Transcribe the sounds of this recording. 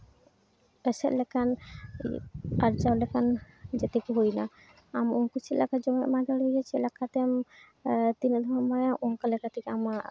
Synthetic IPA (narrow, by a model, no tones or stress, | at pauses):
ɛsɛʔ̪lɛkan | aɾd͡ʒalɛkan | d͡ʒɛt̪ɛkuɦojna | amɔnkut͡ʃʰilakad͡ʒɔmɛʔmad̪aɽɦojat͡ʃʰɛlakʰat̪ɛm | t̪inɛd̪ʱɔmɔmajaʔɔŋkalɛkat̪ɛkɛama